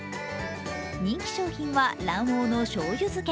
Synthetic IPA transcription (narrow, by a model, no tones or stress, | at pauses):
ɲ̟ĩŋkʲi̥ɕo̞ːçĩɰ̃βaɾãɰ̃oːno̞ɕoːjʲɯzɨke